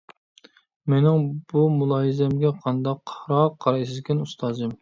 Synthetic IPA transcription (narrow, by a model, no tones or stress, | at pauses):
menɪŋbumulˠɑːɦizɛmɡʲɛqʰɑnd̪ɑqːʰɾɑqʰːɑɾsɪzkʲɛnust̪ɑːzɨm